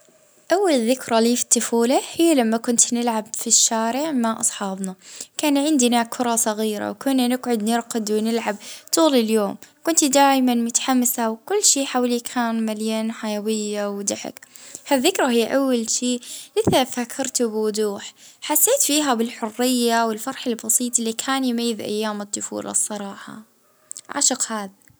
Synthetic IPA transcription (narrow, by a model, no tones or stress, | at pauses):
ʔawːalðːɪkɾˤaliːfi̥t̪ːʊfuːlahɪjːalamːakʊnt̪nɪlʕabfiʃːaːɾɪʕmaʔɑsˤħɑːbnakaːnʕɪnd̪nakʰʊɾˤɑsˤɑɣiːɾa̰wkʊnːanɪɡʕʊd̪nɪɾqad̪wɪnɪlʕab̚t̪ˤuːlɪljoːmkʊnt̪d̪aːjmanmʊt̪ħamːasawkʊlːʃiːħawlikʰaːnmaljaːnħajawɪjːawd̪aħɪ̰khaðːɪkɾˤɑhɪjːʔawːalʃiːʔɪθafakʰːɑɾˤt̪ubɪwʊd̪uːħħasːeːt̪fiːɦabɪlħʊrːɪjːawɪlfɑɾˤħɪlbɑsˤiːt̪ˤɪlːikʰaːnjmajːɪðʔa̰jːaːmɨt̪ˤːʊfṵːlʔɑ̰sˤːɑɾˤɑːħɑ̰ | ʕa̰ʃʊqhaːða